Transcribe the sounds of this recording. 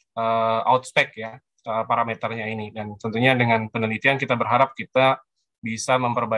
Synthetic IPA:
əːaut̪̚spɛkja | əpaɾamet̪ərɲainidant̪ɔnt̪uɲadəŋanpənəlit̪iankit̪abərɦaɾap̚kit̪a | bisaməmpərba

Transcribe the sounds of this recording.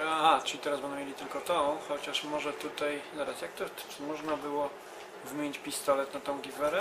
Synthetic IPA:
aʈ͡ʂɨlʲit̪ɛɾazbɛnɛmjʲelʲit̪ɘlkɔt̪ɔxɔt͡ɕaʂmɔʐɛt̪ut̪ajzaɾasjak̚t̪ɔmɔʐnabɘwɔ | vmʲjeɲit͡ɕpʲist̪ɔlɛt̪nat̪ɔ̃w̃ɡʲivɛɾɛ

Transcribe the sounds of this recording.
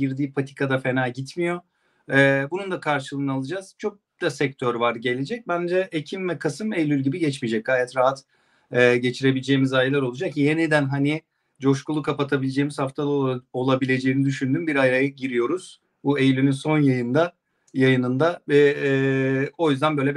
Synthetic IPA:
ɟiɾd̪iːpʰat̪ʰi̥kʰad̪afe̞naːɟit̪mijo̞ | ɛːbunund̪akʰaɾʃɯlˠɯnɯalˠɯd͡ʒaz̥t͡ʃʰo̞k̚d̪̥asɛc̚t̪ʰøɾvaɾɟe̞lʲed͡ʒɛc̚bænd͡ʒɛʔecʰimvɛkʰasɯmejlʲylʲɟibiɟɛt͡ʃmid͡ʒɛc̚ɡaːjat̪ɾaɦat̪ | ɛːɟe̞t͡ʃʰiɾe̞bilʲed͡ʒe̞jimizajlˠaɾo̞lˠud͡ʒakjenid̪ænɦani | d͡ʒo̞ʃkulˠukʰapat̪ʰabilʲed͡ʒe̞jimiz̥haft̪ʰad̪o̞lˠabilʲe̞d͡ʒe̞jinid̪yʃynd̪ynbiɾajɾajaɟiɾijo̞ɾuz̥ | buejlʲynynso̞njajɯnd̪a | jajɯnɯnd̪avɛ | o̞jyzd̪ænbø̞jlʲɛ

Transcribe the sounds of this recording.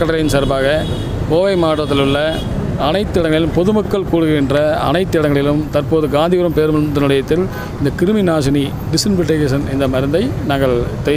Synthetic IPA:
kɐɽɐɾɐjɪnsɐɾbaːɣɐ | koːʋɐɪmaːʈːɐt̪ːɪlɯɭːɐ | ɐnɐɪt̪ːɯɪɽɐŋɡɐɭɪlɯmpɔðɯmɐkːɐɭkuːɽɯɣɐɣɪndrɐɐ̰nɐɪt̪ːɯɪɽɐŋɡɐɭɪlɯmt̪ɐɾpoːðɯɡaːnd̪ɪɣɯɾɐmpeːɾmɐd̪ɐnɪlɐjɐt̪ːɪl | ɪnd̪ɐkɪɾɯmɪnaːsɐni | ɖɪsɪnpɪʈːeːkeːs̬ɐnɪnd̪ɐmɐɾɯnd̪ɐɪnaːŋɡɐɭt̪ɛ

